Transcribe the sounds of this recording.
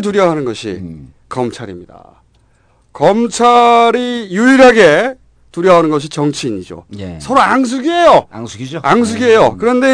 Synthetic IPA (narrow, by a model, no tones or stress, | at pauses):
t̬uɾjʌɦanɯnɡʌɕʰḭ | kʌmt͡ɕʰaɾimɲida̰ | kʌmt͡ɕʰaɾijuiɾɦaɡe̞ | tuɾjʌɦanɯnɡʌɕ̬ʰit͡ɕʌŋt͡ɕʰiːɲid͡ʑo̰esʰʌɾoaŋs̬ʰuɡie̞joŋsuɡioaŋs̬ʰuɡie̞jokɯɾʌnde̞